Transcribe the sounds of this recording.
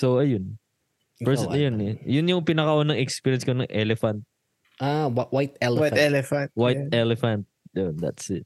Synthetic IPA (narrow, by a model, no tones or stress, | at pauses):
soɐjʊn | pɛjʊnɛjʊnjʊŋpɪnɐkɐʔoːnɐŋɛkspiɹjɛnskonɐŋʔɛlɛfɐnt̪̚ | ʔawawajt̪ɛlwajt̪ɛlɛfanwajt̪̚ɛlɛfɐnt̪̚jond̪ɐ̰t̪sɪt̪̚